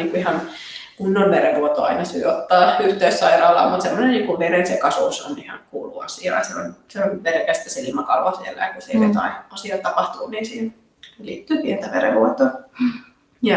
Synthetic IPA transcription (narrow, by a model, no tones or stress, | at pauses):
niːŋkuihɑn | kunːonʋeɾeʋuot̪o̰ɑ̰inɑsy̰ːot̪ːɑːyht̪eyssɑirɑːlːɑ̰mut̪semːonenniːŋkuʋerensekɑsṵso̰nihɑ̰ŋkuːlṵɑ̰siɑ̰ːseonseonmelkæst̪æselimɑkɑlʋɑsielːæ̰jɑkuseiet̪ɑ̰iɑsiɑt̪ɑpɑht̪uːniːnsiːn | selḭːt̪ːyːpient̪æʋḛrḛʋuot̪o | jɑ